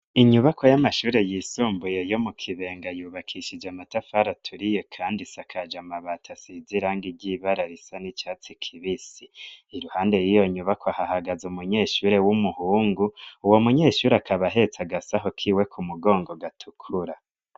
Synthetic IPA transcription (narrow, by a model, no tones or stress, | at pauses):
iɲuβakʰo̞jamaʃuːɾe̞jiːsuːmbujejo̞mukʰiβe̞ːŋɡajuːβakʰiʃid͡ʒamatafaɾatʰuɾijekʰaːndisakʰad͡ʒamaβatʰasiziɾaŋɡiɾɟiβaɾaɾisanit͡ʃaːt͡sikʰiβisiːɾuhaːnde̞jijo̞ɲuβakʰoahahaɡazumuɲe̞ːʃuːɾe̞wumuhuːŋɡuuwo̞muɲe̞ːʃuːɾeakʰaβaɦe̞t͡saɡasaɦo̞kʰiwe̞kʰumuɡo̞ːŋɡo̞ɡatʰukʰuɾa